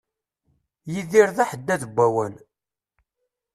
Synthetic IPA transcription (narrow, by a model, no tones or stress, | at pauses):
jiðiɾðæħəd̪ːæðəbʷːæwən